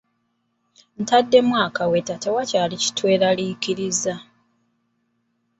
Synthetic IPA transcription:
n̩tadːe̞mwaːkawetːatowacaːlici̥twe̞ːɾalikiɾiza

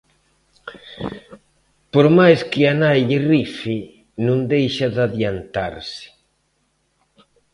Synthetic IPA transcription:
poɾmajskɪanajʎɪrifɪ | nũnd̪ejʃaðaðjant̪a̰ɾsɪ̥

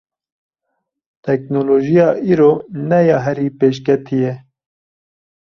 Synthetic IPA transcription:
t̪ɛknoloːʒijɑːʔiːɾoːnɛjɑːɦɛɾiːpeːʃ̬kɛt̪ʰije

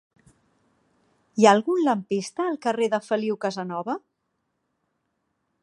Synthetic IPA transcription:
iaːlˠɣunləmpist̪əːlˠkəreðəfəliwkəzənɔβə

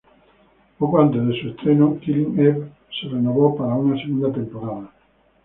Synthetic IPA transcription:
okwant̪eðesuest̪ɾenokiliŋeβ | serenoβopaɾauŋaseɣũnd̪at̪empoɾaðɐ

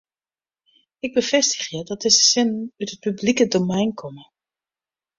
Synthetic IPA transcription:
ɪɡ̚bəv̥ɛstə̥χjədɑtd̥̚ɪzəsɪnnœtɦət̚pyblikədomɛjnkʰɔmə

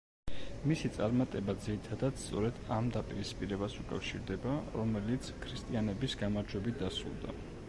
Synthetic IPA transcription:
misit̪sʼaɾmat̪ʼɛbad̪ziɾit̪ʰad̪ad̪̥st̪sʼɔɾɛd̪amd̪apʼiɾispʼiɾɛbasukʼa̰fʃiɾd̪ɛbaɾɔmɛlit̪sʰkʰɾist̪ʼianɛbisɡamaɾd͡ʒwɛbit̪̚d̪asɾṵlˠd̪a̰

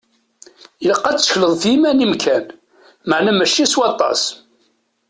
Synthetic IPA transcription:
əlqːɑt͡sːə̥çləðˤθjimænimkʰæn | məʕnæmæʃːiswɑt̪ˤːɑ̰s

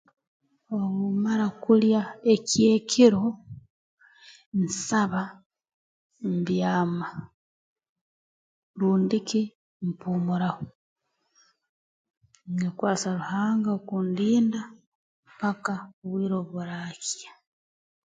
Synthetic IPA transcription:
oβumaɾakuljae̞cje̞ːkʰiɾo̞ | nsaβa | mbjaːma | ɾuːndiki | mpuːmuɾaho | nekwaːt͡saɾuhaːŋɡaokundiːnda | pakaβwiːɾo̞βuɾakja

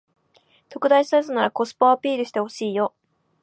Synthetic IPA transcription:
t̪o̞kɯ̟d̪aiɕisazɨnaɾako̞sɨ̥poapʲiːɾɯ̟ɕi̥t̪e̞ho̞ɕiːjo̞

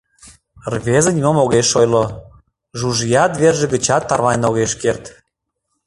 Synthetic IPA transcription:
rβezə̆nʲmomoɣeʃojlo | ʒuʒijɑt̪βerʒĕɣət͡ɕɑt̪ːɑrβɑjʲnoɣeʃkert̪

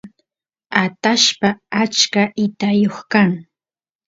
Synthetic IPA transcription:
at̪aʃpaat͡ʃkaʔɪt̪ajoχkaŋ

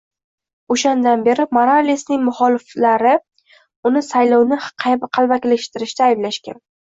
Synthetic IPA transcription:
oʃand̪anbe̞ɾɪmoɾalisnɪŋmʊχɒlɪflaɾɪ | ʊnɪsajlɒwnɪqʰbqʰɑlˠbakʲlɪʃt̪ɪɾɪʃt̪aːjɪblaʃkʲa̰n

